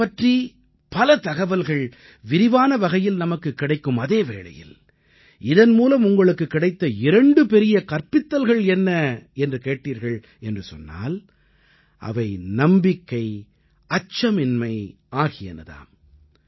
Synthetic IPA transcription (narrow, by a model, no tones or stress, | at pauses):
pɐʈri | pɐlɐt̪ɐɣɐʋɐlɣɐɭ | ʋɪɾɪʋaːnɐʋɐɣɐjɪlnɐmɐkːɯkːɪɽɐɪkːɯmɐðeːʋḛːɭɐ̰jɪ̰l | ɪðɐnmuːlɐmʊŋɡɐɭɯkːɯkːɪɽɐɪt̪ːɐɪɾɐɳɖɯpɛɾɪjɐkɐɾpɪt̪ːɐlɣɐɭɛnːɐɛndrɯkeːʈːiːɾɣɐɭ | ɛndrɯsɔ̰nːa̰ːl | ʔɐ̰ʋɐɪnɐmbɪkːɐɪ | ɐt͡ʃːɐmɪnmɐɪ | aːɣɪjɐ̰nɐ̰ða̰ːm